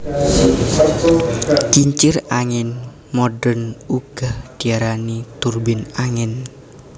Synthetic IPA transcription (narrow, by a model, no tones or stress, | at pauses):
t͡ʃiɲt͡ʃɪraŋɪn | mɔɖənuɡ̥ahd̥iaɾanit̪urbɪnaŋɛn